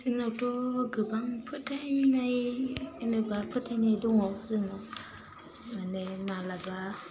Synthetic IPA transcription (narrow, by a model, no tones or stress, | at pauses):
sinotoɡəbaŋpʰətanajnəbapətanaduŋosino | manemalaba